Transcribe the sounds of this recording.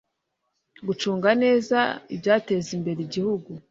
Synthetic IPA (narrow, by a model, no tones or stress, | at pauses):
ɡut͡ʃuːŋɡane̞ːzaibjaːte̞ːzimbe̞ɾiɟihuɡu